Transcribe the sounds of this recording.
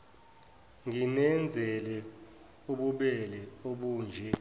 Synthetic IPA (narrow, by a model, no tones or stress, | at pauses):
ŋinɛnd͡zʱɛlɛ | uɓuɓɛlɛoɓuːnd͡ʒʱɛ